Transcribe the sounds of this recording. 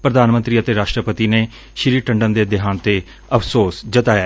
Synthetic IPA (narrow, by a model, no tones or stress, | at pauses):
pɾəd̪aːnmənt̪ɾiːət̪eːɾaːʃʈɾəpət̪iːneː | ʃɪɾiːʈəɳɖənd̪eːd̪ɪɦaːnt̪eː | əpʰsoːsd͡ʒət̪aːjaː